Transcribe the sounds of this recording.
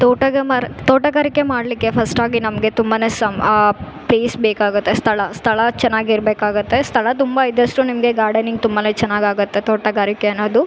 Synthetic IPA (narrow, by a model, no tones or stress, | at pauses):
t̪oːʈɐɡɐmaɾt̪oːʈɐɡaːɾikːemaːɽlikːe̞pʰɐsʈaːɡinɐmɐɡe̞t̪umbɐnesɐm | pliːsbeːkaːɡut̪ːest̪ʰɐɭɐst̪ʰɐɭɐt͡ʃɐnːaːɡiɾbeːkaːɡut̪ːe̞st̪ʰɐɭɐt̪umbɐid̪ɐsʈunimɐɡe̞ɡaːɾɖɐniŋɡ̚t̪umbɐneːt͡ʃɐnːaːɡaːɡut̪ːe̞t̪oːʈɐɡaːɾikeɐnːoːd̪u